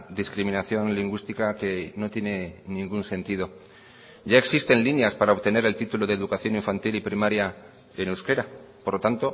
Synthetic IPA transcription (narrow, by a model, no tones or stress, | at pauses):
ðiskɾimĩnaθjo̞nliŋɡwist̪ikake̞no̞t̪je̞ne̞nĩŋɡunse̞nt̪ið̞o̞ | ɟ͡ʝae̞ksist̪e̞nlinjaspaɾao̞βt̪e̞ne̞ɾe̞lt̪it̪ulo̞ðeðukaθjo̞niɱfant̪ilipɾimaɾja | e̞newske̞ɾapoɾlot̪ant̪o̞